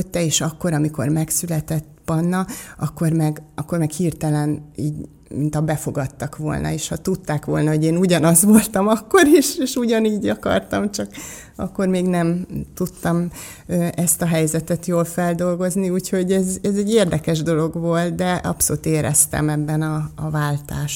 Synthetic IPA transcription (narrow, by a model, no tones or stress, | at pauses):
øt̪ːɛeːʃɒkːo̞ɾɒmiko̞̰rmɛksylɛt̪ɛt̪ːbɒnːɒɒkːo̞rmɛɡɒkːo̞rmɛkhiːrt̪ɛlɛniːɟ | mint̪ɒbɛfo̞ɡɒt̪ːɒkʋo̞̰lnɒ̰eːʃhɒt̪ut̪ːaːkʋo̞lnɒɦo̞ɟeːnuɟɒnɒzʋo̞lt̪ɒmɒkːo̞ɾiʃeːʃuɟɒniːɟɒkɒ̰rt̪ɒmt͡ʃɒk | ɒ̰kːormeːɡnɛmt̪ut̪ːɒm | øɛst̪ɒɦɛjzɛt̪ɛt̪joːlfɛld̪o̞lɡo̞zniuːcho̞ɟɛzɛzɛɟːeːrd̪ɛkɛʒd̪o̞lo̞ɡʋo̞lt̪̚d̪ɛʔɒ̰pso̞lut̪eːɾɛ̰st̪ɛ̰mɛbːɛnɒːvaːlt̪aːʃ